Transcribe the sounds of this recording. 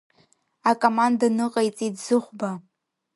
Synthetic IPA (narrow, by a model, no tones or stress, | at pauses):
akʼomandanɨqʼajt͡sʼidzɨχʷba